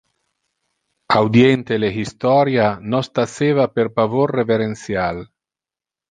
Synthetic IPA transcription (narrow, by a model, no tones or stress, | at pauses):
awd̪jent̪eleɦist̪ɔɾjanɔst̪aseːvaperpavorːeveɾensjal